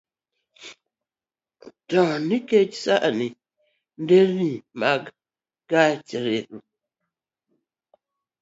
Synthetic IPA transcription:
tãniket͡ʃsaʔani | n̩deɾnimaɡ | ɡat͡ʃeɾeʔu

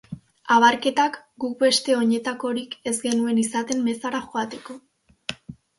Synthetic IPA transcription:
aβaɾke̞t̪akɡuk̚be̞st̪e̞o̞ɲe̞t̪ako̞ɾike̞zɡe̞nue̞nisat̪e̞mme̞saɾaxoat̪e̞ko̞

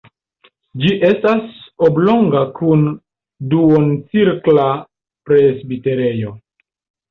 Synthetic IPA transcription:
d͡ʒiʔe̞stasoblo̞ŋɡakun | duont͡siɾkla | pɾesbite̞ɾe̞jo̞

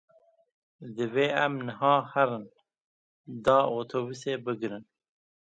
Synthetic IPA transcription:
d̪ɨveːæmnəɦɑːhæɾɨn | d̪ɑːoːt̪ʰoːbuseːbɨɡɾɨn

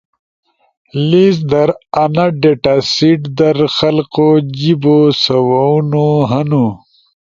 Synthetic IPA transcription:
lizd̪ɐɾɐnɐɖeʈasiʈd̪ɐɾxɐlqod͡ʑibosɐwaunoɦɐnu

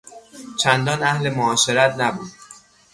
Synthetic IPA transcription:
t͡ʃʰænd̪ɒːnæhlemoɒːʃe̞ɾæt̪ʰnæbuːd̪̥̚

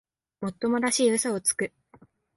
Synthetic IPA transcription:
mo̞t̪ːo̞mo̞d̪aɕiːɯ̟soot͡sɨ̥kɯ̟

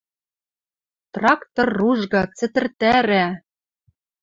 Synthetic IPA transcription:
t̪rɑkt̪orːuʒɣɑt͡sɘ̆t̪ɘ̆rt̪æɾæ

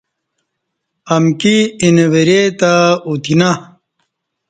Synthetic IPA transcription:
ɐmkiineweɾet̪aut̪ina

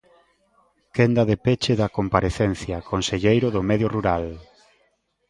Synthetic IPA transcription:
kend̪ɐðepet͡ʃeðɐkompaɾeθɛn̟θjɐkʰonseʎejɾʊðʊmɛðjoruɾal

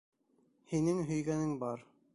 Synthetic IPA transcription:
hinɘŋɦɵ̆jɡænɘŋbɑɾ

